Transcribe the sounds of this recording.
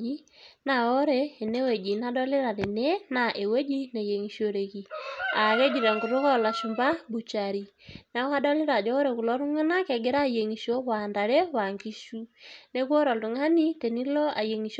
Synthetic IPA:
i˦ | na˨o˦ɾeː˦˨ne˦we˨d͡ʒi˨na˦dɔ˦le˦ɾa˨ɾe˨ne˦na˨ʔe˨we˦d͡ʒi˦ne˨je˨ŋi˨ʃjo˨ɾe˨ki˨a˨ke˦d͡ʒi˨ɾa˨ŋɡu˨ɾo˦kɔ˦la˨ʃu˨mba˦bu˨t͡ʃa˨ɾi˨ | na˨˦ka˦dɔ˦le˦ɾa˨d͡ʒɔ˦o˦ɾe˨ku˨lɔ˦ɾu˦ŋa˦na˦kɛ˨ɡe˦ɾa˦˨je˨ŋi˨ʃjo˦wa˨nda˨ɾe˦wa˨ŋɡi˦ʃu˦ne˦kwɔ˦ɾɔ˨ldu˨ŋa˦ni˦te˨ni˦lɔ˦a̰˨je˨ŋi˨ʃ

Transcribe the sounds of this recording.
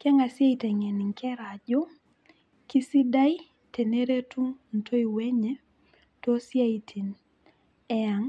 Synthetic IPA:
kɛ˦ŋa˨sja˦i˨tɛ˨ŋɛ˨ni˨ŋ˨kʰɛ˦ɾa˨d͡ʒo˦ | ki˦si˦da˦i˦ | te˨ne˦ɾe˦tʰu˦n̩˨tʰo˦i˨wɛ˦ɲɛ˦ | tɔ˦sja˦i˨tʰi˨n | ɛ˦a˨ŋ

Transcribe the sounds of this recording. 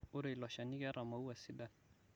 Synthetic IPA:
o˦ɾe˨lɔ˨ʃa˨ni˦ɡɛ˦ɾʔa˨ma˨u˦wa˨si˦da˦˨

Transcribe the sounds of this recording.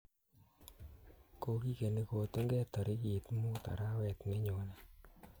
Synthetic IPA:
ko˧ki˦ke˨ne˦ko˨tu˦ŋɡɛ˦tɔ˨ɾi˦ki˨t̪mu˦ta̰˨ɾa˦wɛ˨t̪ne˦ɲo˨na˦

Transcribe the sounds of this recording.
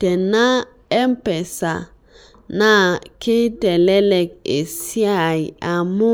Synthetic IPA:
te˨na˦ | e˦m˦pe˨sa̰˨ | na˦kʰe˦te˨le˦le˨k̚e˨si˦a˨i˨a˨mʊ˦

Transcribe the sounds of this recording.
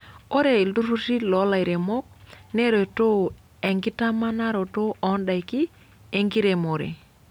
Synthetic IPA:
o˦ɾe˨i˨ldu˦ɾu˦ti˦lo˨˦la˨jɾe˨mo˦k̚ne˦ɾo˨to˦˨ | e˨ŋɡi˦ta˦ma˦na˦ɾo˨to˦ɔ˨˦nɗa˨jki˦ | e˨ŋɡi˦ɾe˨mo˨ɾḛ˨

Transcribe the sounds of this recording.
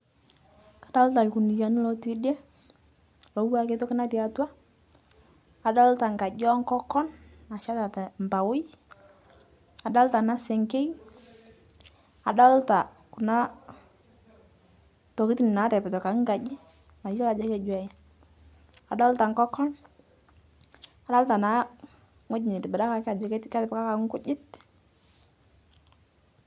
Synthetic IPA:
kḁ˨da˦lta˨lku˨ni˨ja˨ni˦lɔ˨ti˦de˦ | lɔ˨wa˦ke˦tɔ˦kɪ˦na˦ti˨a˨ta˦ | a˨da˦lta˨ŋɡa˨d͡ʒɔ˦ŋkɔ˦kɔ˦nna˨ʃa˦ta˨tɛ˨mba˨wʊ˦j | a˨da˦lta˨na˦sɛ˨ŋke˦j | a˨da˦lta˨ | ku˨na˦ | tɔ˨ki˦tnɪ˨na˨˦tɛ˨pɪ˨tɔ˨ka˨ŋ˦ɡa˨d͡ʒɪ˦ | na˨˦a˦ta˨d͡ʒe˦kɛ˦˨d͡ʒwɛ˨j | a˨da˦lta˨ŋkɔ˦kɔ˦n | a˨da˦lta˨na˦ | ŋo˦d͡ʒɪ˨nɪ˨tɪ˨bɛ˨da˦ka˨ka˨d͡ʒe˦ke˦tka˦tɪ˨pka˦ka˨ŋ˦kʊ˦d͡ʒɪ˦t

